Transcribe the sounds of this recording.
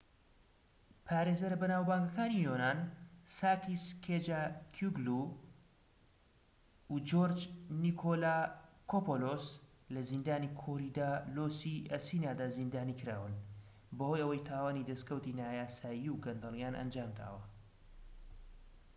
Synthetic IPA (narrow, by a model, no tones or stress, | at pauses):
pʰaːɾeːzɐɾbɐnaːwbaːŋɡɐkaːnijoːnaːnsaːkiskʰed͡ʒakʰuɡlu | ud͡ʒoɾd͡ʒnikʰolaːkʰopolos | lɐzind̪aːnikʰoɾid̪aːloːsiʔɐsiːnaːd̪aːzind̪aːnikɨɾa̰ːwɨn | bəhojɐwɐjt̪ʰaːwaːnid̪ɐskɐwt̪inaːjaːsaːjiwɡɐnd̪ɐlˠjaːnʔɐ̰nd͡ʒaːmd̪ʰa̰ːwɐ